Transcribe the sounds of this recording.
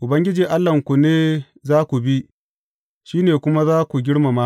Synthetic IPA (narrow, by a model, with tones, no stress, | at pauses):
ʔʊ˨bɐ˦ŋɡʲɪ˦d͡ʒiː˨ʔa˦lːɐ˨ŋkʷu˨neː˦ | zaː˦kʷu˨bi˦ʔ | ʃiː˦neː˨kʷʊ˦ma˦zaː˦kʷu˨ɡʲɪ˦ɽma˨ma˦